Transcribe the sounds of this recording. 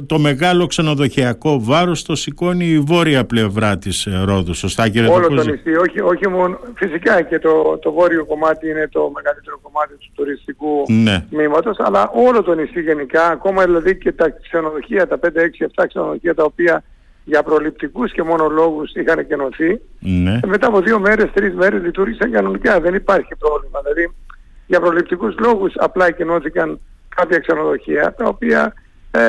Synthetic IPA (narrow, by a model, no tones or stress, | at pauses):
t̪o̞me̞ɣɐlo̞kse̞no̞ðo̞çiɐko̞vɐɾost̪o̞siko̞niːvo̞ɾiɐple̞vɾɐt̪isɾo̞ðuso̞st̪ɐceɾeoloooisioçioçimonfisikɐce̞t̪ot̪ovo̞ɾio̞ko̞mɐt̪iine̞t̪o̞me̞ɣɐlit̪e̞ɾo̞ko̞mɐt̪it̪u̥t̪uɾist̪ikunemimɐt̪o̞sɐ̰lɐʔo̞lo̞t̪o̞nisiʝe̞nikɐːko̞mɐðilɐðice̞t̪ɐkseno̞ðo̞çiɐt̪ɐpe̞nd̪eeksieft̪ɐkse̞noðo̞çiɐt̪ɐopiɐ | ʝɐpɾo̞lip̚t̪ikusce̞mo̞no̞lo̞ɣusixɐneceno̞θinme̞t̪ɐɐpo̞ðio̞me̞ɾe̞st̪ɾizme̞ɾe̞zlit̪uɾʝisɐŋkɐno̞nikɐðe̞nipɐɾçipɾo̞vlimɐðilɐði | ʝɐpɾo̞lipt̪ikuzlo̞ɣusɐ̰plɐecino̞θikɐn | kɐpçɐkse̞no̞ðo̞çiɐt̪ɐo̞piɐ̰